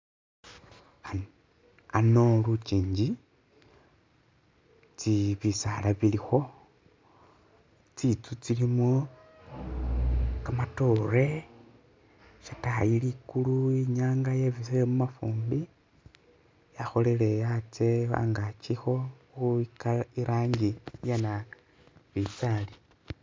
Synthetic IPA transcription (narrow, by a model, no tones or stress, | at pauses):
a | ano̞lut͡ʃiːɲd͡ʒi | t͡siβisalaβilixo̞ | t͡sit͡sut͡silimo | kamatore̞ | ʃatajilikuluiɲaːŋɡajeβiseemumafuːmbi | jaxo̞lele̞jat͡sea̰ŋɡat͡ʃixo̞xuikaiɾaːŋɡijana | βisali